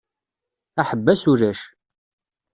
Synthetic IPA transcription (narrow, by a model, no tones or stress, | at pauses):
aħəbːæsuɾæʃ